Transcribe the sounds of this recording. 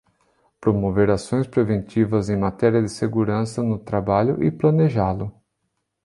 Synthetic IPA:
pɾomoveɾasõj̃spɾevẽnt̪ivɐzẽj̃mat̪ɛɾiɐd̪ɪseɡuɾɐ̃sɐnʊt̪ɾabaʎʊʔɪplɐneʒalʊ

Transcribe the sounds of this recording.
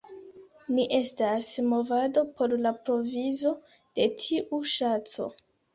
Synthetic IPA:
niʔe̞stasmo̞vado̞pʰo̞ɾlapɾo̞vizo̞ | d̥e̞tʰiʔuʃat͡so̞̰

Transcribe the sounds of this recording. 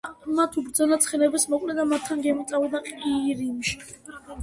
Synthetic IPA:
mat̪ʰubɾd̪zɔnat̪sʰχɛnɛbɛsmɔkʼlɛd̪amat̪ʰːanɡɛmɔt̪sʼavɛd̪aqʼiɾimʃi̥

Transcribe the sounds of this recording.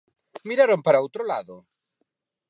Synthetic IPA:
miɾaɾompaɾaowt̪ɾolaðʊ

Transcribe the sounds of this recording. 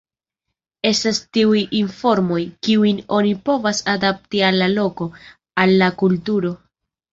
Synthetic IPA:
e̞stastiujinfo̞ɾmo̞jkiujno̞nipo̞vasadap̚tialːalo̞ko̞ | alːakultuɾo̞

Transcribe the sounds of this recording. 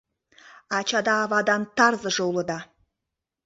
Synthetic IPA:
ɑt͡ɕɑd̪ɑːvɑd̪ɑnt̪ɑrzɤ̆ʒɤ̆ulˠɤ̆d̪ɑ

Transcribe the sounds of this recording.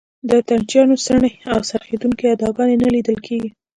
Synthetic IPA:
d̪ət̪aɳt͡ʃjɑnosəɳeawsaɾxed̪uŋkead̪ɑɡɑnenalid̪əlkʰeɡi

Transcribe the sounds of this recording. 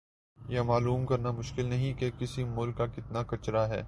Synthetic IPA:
jɐmaːluːmkɐɾnamʊʃkɪlnɐɦĩkekɪsimʊlkːakɪt̪nakɐt͡ʃɾaɦɛ̰ː

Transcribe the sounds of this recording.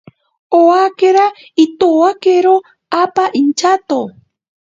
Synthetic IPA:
oakeɾa | it̪oakeɾo | apaʔint͡ʃat̪o

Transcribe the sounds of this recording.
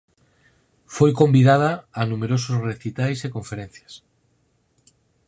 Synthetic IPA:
fojko̞mbiðað̞aːnũmeɾosozre̞θit̪ajsekõ̞ɱfeɾen̟θjas

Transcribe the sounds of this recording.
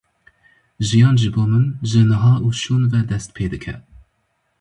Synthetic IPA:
ʒijɑːnʒɨboːmɨnʒɨnɨɦɑːʔuːʃuːnvɛd̪ɛst̪̚pʰeːd̪ɨkʰɛ̰

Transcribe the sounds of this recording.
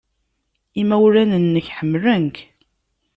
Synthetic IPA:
imæwɾænənːəçħəmːlənk

